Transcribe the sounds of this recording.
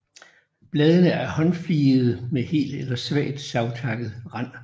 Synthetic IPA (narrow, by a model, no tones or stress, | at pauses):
b̥lɛːð̞ˠənəæɐhɒ̽nfliːð̞̩ˠmehe̝̰ːld̥elɐsʋɛ̰ɐːd̥sɑ̈ʊt͡sʰɑ̈ɡ̥ð̞̩ˠʁɑn̰